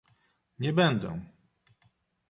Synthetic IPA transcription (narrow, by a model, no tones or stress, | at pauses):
ɲɛbɛnd̪ɛ̰̃